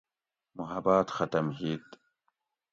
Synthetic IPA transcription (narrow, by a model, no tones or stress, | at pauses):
mʊɦɐbaːt̪xɐt̪ɐmɦiːt̪